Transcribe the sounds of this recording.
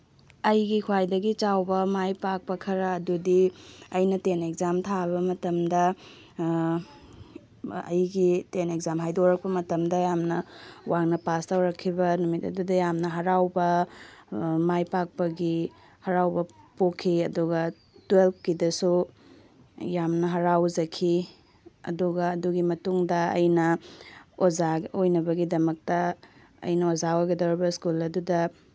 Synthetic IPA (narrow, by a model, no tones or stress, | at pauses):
ɐjɡikʰwajdɐɡit͡ʃawbɐmajpak̚pɐkʰɐɾɐːdudiɐjnɐtenek̚zamtʰabɐmɐtɐmdɐ | ɐ̰jɡitenek̚zamɦajdoɾɐk̚pɐmɐtɐmdɐjamnɐwaŋnɐpastawɾɐkʰːibɐnumitɐ̰dudɐjamnɐɦɐɾawbɐ | majpak̚pɐɡi | hɐɾawbɐpokʰːiɐduɡɐ | twelp̚ʰkidɐsu | jamnɐɦɐɾawzɐkʰi | ɐ̰duɡɐːduɡimɐtuŋdɐɐ̰jnɐ | ozaɡojnɐbɐɡidɐmɐk̚tɐ | ɐ̰jnɐozaoɡɐdɐwɾibɐskulɐdudɐ